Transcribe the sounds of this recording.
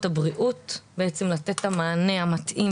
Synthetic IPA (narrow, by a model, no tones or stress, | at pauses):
tabʁiʔutbeet͡semlatetamaːne̞amatʔim